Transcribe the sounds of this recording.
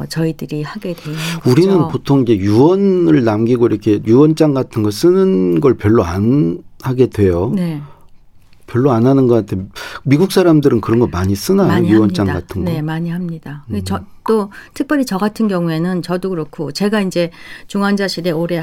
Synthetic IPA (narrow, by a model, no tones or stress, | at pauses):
t͡ɕʌidɯɾihaɡe̞dweuɾinɯnpotʰoŋid͡ʑe̞juwʌnɯɭnamɡiɡoiɾʌkʰe̞juwʌnt͡ɕ͈aŋɡatʰɯnɡʌɭs͈ɯnɯnɡʌɭpjʌɭːoanhaɡe̞dwe̞jone | pjʌɭːoanɦanɯnɡʌantʰemiɡuk̚s͈ʰaɾamdɯɾɯnkɯɾʌnɡʌmaɲis͈ɯnajojuwʌnt͡ɕ͈aŋɡatʰɯnɡnɡemaɲiɦamɲid̥at͡ɕʌt͈otʰɯk̚p͈jʌɾit͡ɕʌɡatʰɯnɡjʌŋue̞nɯnt͡ɕʌdokɯɾʌkʰot͡ɕe̞ɡaind͡ʑe̞t͡ɕuŋand͡ʑaɕʰide̞oɾe̞